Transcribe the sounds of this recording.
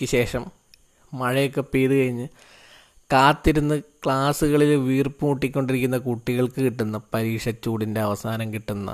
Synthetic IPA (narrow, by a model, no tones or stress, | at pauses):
kʲːɨɕe̞ːʂɐm | mɐɻɐjokːe̞piːðɨkɐɻiɲːɨ | kaːt̪ːiɾunːɨkɭaːsuɣɐɭilʋiːrpuuʈːikʲːo̞ɳɖiɾikʲːunːɐkuʈːiɣɐɭkɨkiʈːunːɐpɐɾiːkʂɐt͡ɕːuːɽinde̞ɐʋɐsaːnɐmkiʈːunːɐ̰